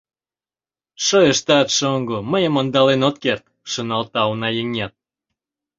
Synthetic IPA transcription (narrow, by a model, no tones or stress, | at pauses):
ʃojəʃt̪ɑt̪ʃoŋɡoməjəmond̪ɑlenot̪̚kert̪ | ʃonɑlt̪ɑunɑjəŋɑt̪̚